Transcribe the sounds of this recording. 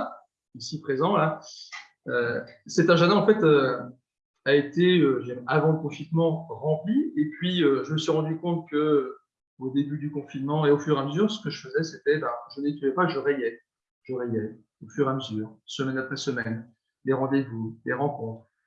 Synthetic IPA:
isipχezɑ̃la | øsɛt̪ɛ̃ʒad̪ɛ̃ɑ̃fɛt̪ø | aet̪eøʒɛmavɑ̃ləkɔ̃finmɑ̃ʁɑ̃pliepɥiøʒəməsɥiʁɑ̃d̪ykɔ̃t̪̚kə | od̪ebyd̪ykɔ̃finmɑ̃eofyʁeaməzyʁsə̥kəʒəfəzɛset̪ɛbaʒənet̪uvɛpaʒəʁɛjɛ | ʒ̥əʁejɛ | ofyʁeaməzyːʁsəmɛnapχɛsəmɛn | leʁɑ̃d̪evuleʁɑ̃kɔ̃t̪χ

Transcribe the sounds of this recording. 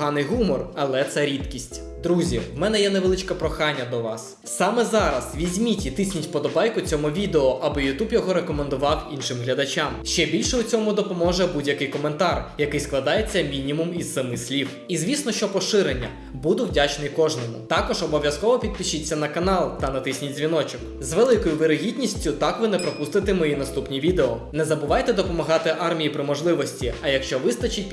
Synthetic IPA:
ɦɑnɪjɦumɔrɐlˠɛt̪sɛɾʲid̪kʲisʲtʲ | d̪ɾuzʲiwmɛnɛjɛneʋelˠɪt͡ʃkɐpɾɔxɑnʲːɐd̪ɔʋɑs | sɑmɛzɑɾɐsʋʲizʲmʲitʲit̪ɪsʲnʲitʲpɔd̪ɔbɑjkʊt͡sʲɔmʊʋʲid̪eɔʔɐbɪjʊt̪ubjɔɦɔɾekɔmend̪ʊʋɑwinʃɪmɦlʲɐd̪ɐt͡ʃamʃt͡ʃɛbʲilʲʃɛʊt͡sʲɔmʊd̪ɔpɔmɔʒɛbudʲjɐkɪjkɔme̞nt̪ɑrjɐkɪjsklˠɐd̪ɑjet͡sʲːɐmʲinʲimʊmizːɐmɪsʲlʲiw | izʲʋʲisnɔʃt͡ʃɔpɔʃɪɾenʲːɐ | bud̪ʊwdʲat͡ʃnɪjkɔʒnɔmʊ̰t̪ɑkɔʒɔbɔʋʲjɐskɔʋɔpʲid̪̚pʲiʃit͡sʲːɐnɐkɐnɑlˠt̪ɐnɐt̪ɪsʲnʲitʲzʲʋʲinɔt͡ʃɪk | zʋelˠɪkɔjʊʋeɾɪɦʲid̪ʲnʲisʲtʲʊt̪ɑkʋɪnɛpɾɔpust̪ɪt̪ɪmɔjinɐst̪upnʲiʋʲid̪eɔnɛzɐbʊʋɑjt̪ɛd̪ɔpɔmɐɦɑt̪ɪʔɑrmʲijipɾɪmɔʒlˠɪʋɔsʲtʲiɐjɐkʃt͡ʃɔʋɪst̪ɐt͡ʃit̚ʲ

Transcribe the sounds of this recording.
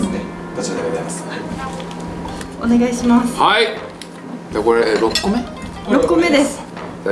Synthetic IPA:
t̪eas | one̞ɡaiɕimasɨ̥hai | d͡ʑakoɾeɾokːome | ɾokːomed̪esɨ̥

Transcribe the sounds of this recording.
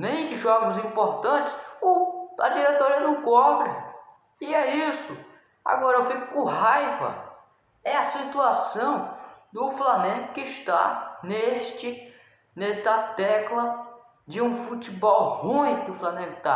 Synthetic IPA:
nẽj̃ʒɔɡʊzĩpoɾt̪ɐ̃t͡ʃɪ̥sʊɐ̰d͡ʒiɾet̪oɾiɐnɐ̃w̃kɔbɾɪ | ɪɛisʊ | a̰ɡɔɾɐewfikʊkõɦajvɐ̰ | ɛɐsit̪uasɐ̃w̃d̪ʊflanẽɡʊkɪʃt̪a̰neʃt͡ʃɪ | nest̪ɐt̪ɛklɐ | d͡ʒɪũfut̪ibɔwhũj̃kʊflanẽɡʊt̪a

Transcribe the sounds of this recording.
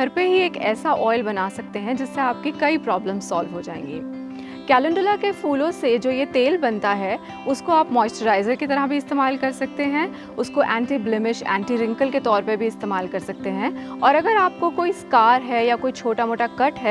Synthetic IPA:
ɡʱɐɾpeɦieːkɛ̰ːsaʔɔːɪlbɐnaːsɐk̚t̪eɦɛ̃d͡ʒɪsːeaːp̚kikɐipɾɔːbləmz̥sɔːlʋɦod͡ʒaːḛ̃ːŋɡḭː | kɛːlə̃ɳɖʊlakefuːlõsed͡ʒoːjet̪eːlbɐnt̪aɦɛ | ʊskoaːpmɔːɪsʈəɾaːɪzəɾkit̪ɐɾəɦbʱiɪst̪eːmaːlkɐɾsɐk̚t̪eɦɛ̃ | ʊskoʔɛ̃ːɳʈiblɪmɪʃɛ̰̃ːɳʈiɾɪ̃ŋkəlket̪ɔːɾpɐɾbʱiɪst̪eːmaːlkɐɾsɐk̚t̪eɦɛ̃ɔːɾɐɡəɾaːp̚kokoːiskaːɾɦɛjakoːit͡ʃʰoːʈamoːʈakɐʈɦɛː

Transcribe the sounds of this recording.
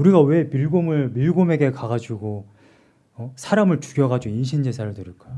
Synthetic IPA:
uɾiɡawe̞miɭɡomɯɭmiɭɡome̞ɡe̞kaɡad͡ʑuɡo | ʌsʰaɾamɯɭt͡ɕu̥ɡjʌɡad͡ʑoiɕʰind͡ʑes̬ʰaɾɯɭtɯɾɯɭk͈ajo

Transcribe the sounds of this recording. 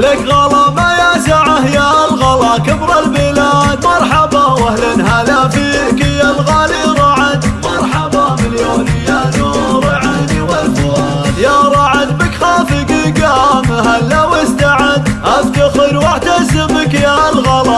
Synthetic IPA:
lakɣɑlɑmajasaʕahjalɣɑlɑkabɾˤɑlmilaːd̪mɑɾˤħɑbɑwahlanɦalafiːkjalɣaːliɾˤɑʕad̪mɑɾˤħɑbɑmɪljananuː | ɾʕaniwalbu | jaɾˤɑʕad̪bəkxaːfikiɡamɦalːawɪst̪aʕad̪ʔabt̪axəɾwaħt̪asɪbəkjalɣɑlɑ

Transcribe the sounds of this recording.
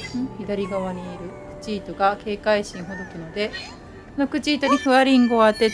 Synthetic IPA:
çid̪aɾʲiɡaβaɲ̟iːɾɯ̟kɯ̟̥t͡ɕiːt̪o̞ɡake̞ːkaiɕĩɰ̃ɦo̞d̪o̞kʲɯ̟no̞d̪e̞ | sono̞kɯ̟t͡ɕiːt̪o̞ɲ̟iɸɯ̟aɾʲĩŋɡo̞at̪ːe̞

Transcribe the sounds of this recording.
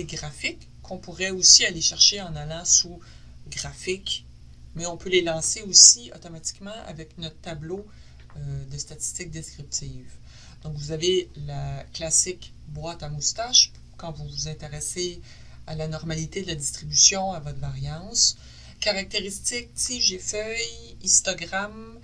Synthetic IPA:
eɡʁafɪkːɔ̃puʁɛosialeʃɛʁʃeɑ̃nalɑ̃su | ɡʁafɪk | mɛɔ̃pølelɑ̃seosiɔ̰t̪ɔmat̪i̥kmɑ̃ʔa̰vɛknɔt̪t̪ablo | ød̪əst̪at̪i̥st̪ɪk̚d̪eskʲʁip̚t̪iːv | d̪̥ɔ̃kvuzavelaklasɪk | bwat̪amust̪aʃ | kɑ̃vuvuzɛ̃t̪eʁɛse | alanɔʁmalit̪ed̪əlad̪ist̪ʁibysjɔ̃avɔt̪vaʁjɑ̃s | kaʁak̚t̪eʁist̪ɪk̚siʒefœj | ĩst̪ɔɡʁam

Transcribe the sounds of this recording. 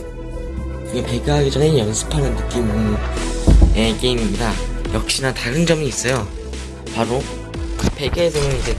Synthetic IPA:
kɯɡepe̞ɡaɦaɡed͡ʑʌnejʌnsʰɯ̥pʰanɯnnɯk͈im | eke̞imimɲidajʌk̚ɕ͈inataɾɯnd͡ʑʌmiːs͈ʌjo | paɾo | pe̞ɡeːsʰʌnɯnid͡ʑe̞

